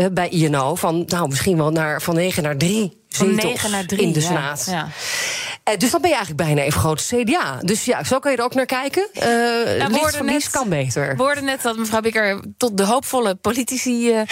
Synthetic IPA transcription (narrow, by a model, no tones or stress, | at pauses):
ɛbɛjʔiɛnowfɑnːawmɪsχinʋɛlˠnaːɹfɑnːeːχənaːɹdri | z̥ɪtɔadɪndəsnaːt | døsdɑnbɛnjəɛjələɡ̚bɛjnaːejfəχrowtə̥sejdeaːdøsjasowkɑnjədəroknaːɹkɛjkən | liskɑnbejtəɹʋəʊːɹdənɛtdɔtməvrawbɪkəɹtɔt̚dəɦowpfɔləpolitisi